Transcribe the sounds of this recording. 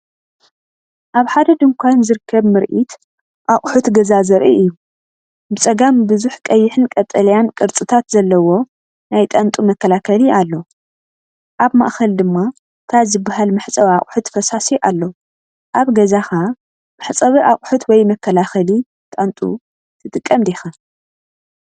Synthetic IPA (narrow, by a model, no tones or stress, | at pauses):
ʔaβħad̪ɐd̪ɨŋkʷʰanzɨɾkʰːɐβmɨɾʔit̪ | ʔaχʼħut̪ɡɐzazɐɾʔiɨjːu | bɨt͡sʼɐɡambɨzuħkʼɐjːɪħɨnkʼɐt̪ʼːɐlɐjankʼɨɾt͡sʼɨt̪ʰat̪zɐlːɐwo̞ | najt̪ʼant̪ʼumɐkʰːɐlakʰɐlialːo̞ | ʔaβma̰ʔxɐld̪ɨmːa | t̪ʰazɨbːaɦalmɨħt͡sʼɐβiaχʼħut̪fɐsasiʔalːo | ʔaβɡɐzaxa | mɨħt͡sʼɐβiʔaχʼħut̪wɔjmɐkʰːɐlaxɐli | t̪ʼant̪ʼṵ | t̪ʰɨt̪ʼɨkʼːɐmd̪exa